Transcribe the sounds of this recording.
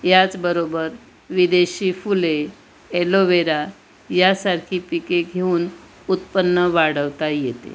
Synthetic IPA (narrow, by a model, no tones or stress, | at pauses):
jat͡sbəɾobəɾ | ʋid̪eɕiːfule | eloʋeɾa | jasaɾkʰiːpikeɡʱeuːn | ut̪pənːəʋaɽəʋt̪ajet̪ḛ